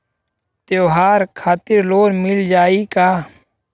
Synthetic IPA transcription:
t̪joːɦaːɾkʰaːt̪ɪɾloːɾmɪld͡ʒaːikaː

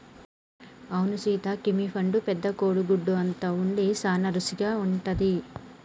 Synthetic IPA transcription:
ɐwnusiːt̪ɐkimipʰɐɳɖupɛd̪ːɐkoːɽuɡuɖːuɐnt̪ɐuɳɖisaːnɐɾusiɡaːuɳʈɐd̪i

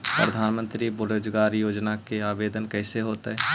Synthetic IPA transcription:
pɾəd̪ʱaːnmə̃nt̪ɾibʊɾoːd͡ʒɡaːɾjoːd͡ʒnakeaːbeːd̪ənkɛːseɦoːt̪eɦɛ

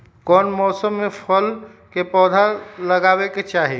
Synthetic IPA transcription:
kɔːnmɔːsəmːẽfʰəl | kepɔːd̪ʱalɐɡaːweket͡ʃaːɦe

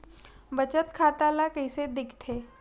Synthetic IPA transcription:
bət͡ʃət̪kʰaːt̪alakəised̪ɪkʰt̪ʰeː

